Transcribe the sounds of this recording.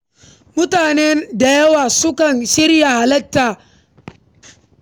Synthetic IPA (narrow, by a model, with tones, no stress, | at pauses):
mʊ˦taː˨nɛ˦nda˨jɐ˦waː˨sʊ˦kɐ˨nʃɪ˦ɾja˨ha˨lɐ˦tːaː˨